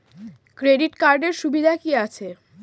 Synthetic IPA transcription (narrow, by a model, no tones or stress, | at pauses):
kɾeɖiʈkaɾɖeɾʃubid̪ʱakiat͡ɕʰe